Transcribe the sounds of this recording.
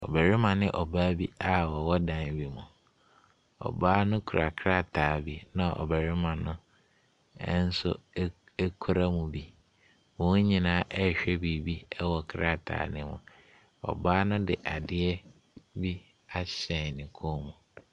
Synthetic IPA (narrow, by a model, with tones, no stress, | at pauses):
ɔ̰˨bæ˨ɾɪ˦mã˨nɪ̃˦ʔɔ˨baː˦bi˦a˨wɔ˨wɔ˦dã˨nbi˨mũ˨ | ɔ̰˨baː˦nʊ̃˦kʰu˨ɾa˨kʰɾa˦tʰaː˨bi˦nã˨ʔɔ̰˨bæ˨ɾɪ˦mã˨nʊ̃˦ | n̩˦sʊ̰˦ | ɛ˦kʰu˦ɾa˦mũ˨bi˦ | wɔ̃˨˦ũ˦ɲĩ˨nãː˦ʔɛ˦˨ɕᶣɛ˦bi˨bi˦ɛ˦wɔ˨kʰɾa˦tʰa̰ː˨nɪ̃˦mʊ̰̃˨ | ɔ̰˨baː˦nʊ̃˦dɪ˨ʔa˨dɪ˦ɛ˦ | bi˦ | a˨ɕɛ̃˨nɪ̃˨kʰo˦mũ˨